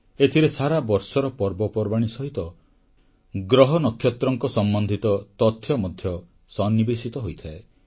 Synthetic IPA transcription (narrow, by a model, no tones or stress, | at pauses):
et̪ʰiɾesaɾabɔɾsɔɾɔpɔɾbɔpɔɾbaɽ̃isɔɦit̪ɔ | ɡɾɔɦɔnɔkʰːjɔt̪ɾɔŋkɔsɔmbɔnd̪ʱit̪ɔt̪ɔt̪ʰːjɔmɔd̪ʱjɔ | sɔnːibesit̪ɔɦojt̪ʰae